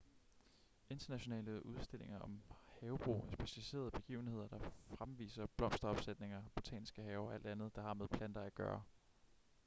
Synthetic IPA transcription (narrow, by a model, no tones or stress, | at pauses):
ʔe̝nd̥ɐnæɕo̝nɛ̰ːləʔuð̞ˠsd̥e̝l̰e̝ŋɐɒ̽mhɛːʊb̥ʁo̰ːæsb̥e̝ɕælise̝̰ːɐð̞ˠb̥e̝ɡ̥ḭːʊn̩he̝ð̞̰ˠɐd̥ɑ̈fʁamʋḭːsɐb̥lɒ̽m̰sd̥ɐɒ̽b̥sed̥ne̝ŋɐb̥o̝t͡sʰɛ̰ːnisɡ̥əɦɛːʊɒ̽æl̰d̥ænð̞̩ˠd̥ɑ̈hɑ̈meðˠpʰlænd̥ɐæɡ̥ɶːɐ